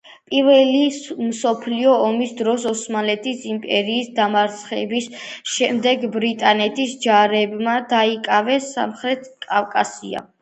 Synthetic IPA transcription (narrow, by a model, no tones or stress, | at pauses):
pʼiɾvɛlimsɔpʰliɔːmisd̪ɾɔsɔsmalɛt̪ʰisimpʼɛɾiːsd̪amaɾt̪sʰχɛ̰bisʃɛmd̪ɛɡbɾit̪ʼanɛt̪ʰisd͡ʒaɾɛbmad̪aikʼavɛsa̰mχɾɛt̪ʰkʼavkʼasia̰